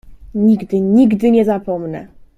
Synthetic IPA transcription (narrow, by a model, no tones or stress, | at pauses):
ɲiɡd̪ɘɲiɡd̪ɘɲɛzapɔmnɛ̰